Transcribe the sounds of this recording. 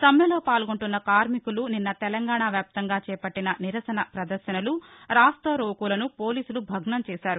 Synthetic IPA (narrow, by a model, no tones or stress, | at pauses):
sɐmjɐloːpaːlɡoɳʈunːɐkaːɾmikuluninːɐt̪ɛlɐŋɡaːɳaːʋjaːp̚t̪ɐŋɡaːt͡ʃɛːpɐʈːinɐniɾɐsɐnɐpɾɐd̪ɐɾʃɐnɐluɾaːst̪ɐɾoːkulɐnupo̞ːliːsulubʱɐɡɳɐmt͡ʃɛːʃaːɾu